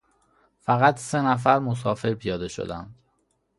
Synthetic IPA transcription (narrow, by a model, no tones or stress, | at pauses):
fæɣæt̪ʰse̞næf̬æɾmos̬ɒːfe̞ɾpʰijɒːd̪e̞ʃo̞̰d̪ænd̪̥